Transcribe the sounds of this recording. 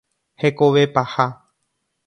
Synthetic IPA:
hekoʋe̞paha

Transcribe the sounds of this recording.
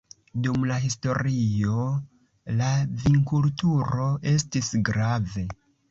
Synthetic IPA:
dumlaɦisto̞ɾio̞ | laviŋkultuɾo̞ʔe̞stisɡɾave̞

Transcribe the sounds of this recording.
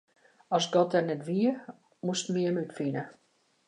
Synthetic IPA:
ɔsɡɔtɛrnɛtʋiə | mustmiənytfinə

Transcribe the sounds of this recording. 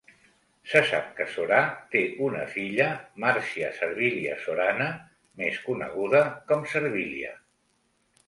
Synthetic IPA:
səsa̰p̚kəsoɾat̪eunəfiʎəmaɾsiəsəɾβiliəsoɾanə | meskunə̰ɣ̞uðəkɔmsəɾβiliə̰

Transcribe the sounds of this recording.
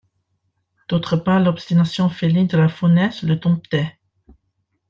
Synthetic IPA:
d̪̥ot̪χəpaʁlɔpst̪inasjɔ̃felid̪əlafonɛsləd̪ɔ̃p̚t̪ɛ

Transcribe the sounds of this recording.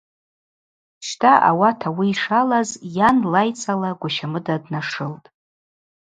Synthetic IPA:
ʃtʰaʔa̰watʰawiːʂalazjanlajt͡sʰʼalaɡʷaʃamɨdadnaʂɨltʼ

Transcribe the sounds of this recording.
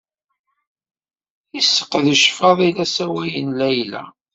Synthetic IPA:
isːə̥qːðəʃfɑðˤilæsæwæjənlæjlæ̰

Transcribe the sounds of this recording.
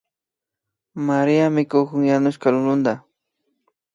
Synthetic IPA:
maɾiamɪkʊkʊŋjanʊʃkalʊlʊnd̪a

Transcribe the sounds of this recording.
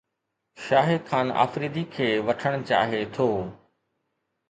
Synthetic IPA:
ʃaːɦɪd̪kʰaːna̰ːfɾiːd̪ikʰeːʋɐʈʰəɽ̃t͡ɕa̰ːɦet̪ʰoː

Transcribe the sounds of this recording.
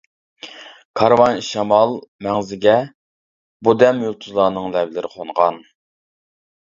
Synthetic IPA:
kʰɑɾwɑnʃɑmɑlˠmɛŋzɪɡʲɛ | bud̪ɛmjulˠt̪ʰuzlˠɑːnɨŋlɛvlɪɾɪqʰonʁɑn

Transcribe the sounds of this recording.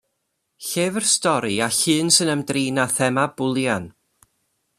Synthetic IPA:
ɬeːvərstɔɾiaɬɨːnsɨnəmdriːnaθɛmab̥ʊlˠjan

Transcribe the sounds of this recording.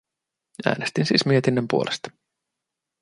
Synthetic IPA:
æ̰ːnest̪insḭːsmie̞t̪inːəmpuolʔest̪ɑ̥

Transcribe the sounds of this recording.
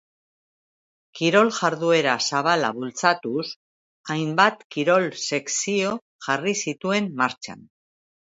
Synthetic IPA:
kiɾo̞lʝaɾðue̞ɾasaβ̞ala̰βult͡sat̪us | ajmbat̪kiɾo̞lse̞ksio̞ | ʝarisit̪ue̞mːaɾt͡ʃa̰n

